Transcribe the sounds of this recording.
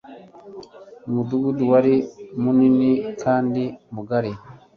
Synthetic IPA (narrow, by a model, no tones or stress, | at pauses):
muduɡuduwaɾimuninikʰaːndimuɡaɾi